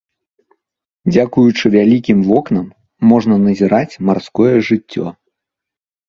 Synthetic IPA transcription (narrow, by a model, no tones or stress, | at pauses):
d͡zʲakujut͡ʂɨvʲalʲikʲimvɔknɐmː | ɔʐnɐnɐzʲiɾat͡sʲmarskɔjɛʐɨt͡sʲːɔ̰